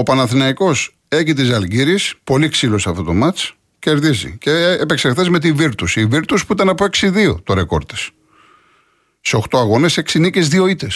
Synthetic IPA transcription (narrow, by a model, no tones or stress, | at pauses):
opɐnɐθinɐiko̞s | e̞cit̪izɐlɡiɾispo̞liksiloseɐft̪o̞t̪o̞mɐt͡s | ce̞ɾðizḭceːpe̞kseɾθezme̞t̪iviɾt̪usiviɾt̪uspuit̪ɐnɐpoe̞ksiðio̞̰t̪oɾe̞ko̞̰ɾt̪e̥s | seo̞xt̪o̞ɐɣo̞ne̞se̞ksinicezðio̞it̪es